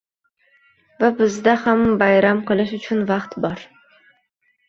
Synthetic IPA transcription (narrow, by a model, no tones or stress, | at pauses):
vabɪzd̪ahambajɾamqʰɨlˠɪʃʊt͡ʃʰʊnvɑqt̪bɒɾ